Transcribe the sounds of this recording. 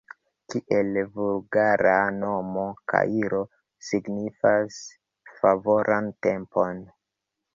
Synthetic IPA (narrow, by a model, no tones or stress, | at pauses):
kiʔe̞lvulɡaɾano̞mokʰa̰iɾo̞ | siɡnifas | favoɾʔante̞mpo̞n